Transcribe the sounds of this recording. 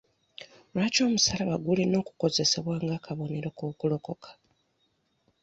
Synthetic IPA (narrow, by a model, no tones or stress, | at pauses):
lwaːco̞ːmusalaβaɡuleno̞ːku̥ko̞ze̞se̞βwaːŋɡaːkʰaβo̞ne̞ɾokoːkulo̞ko̞kʰḁ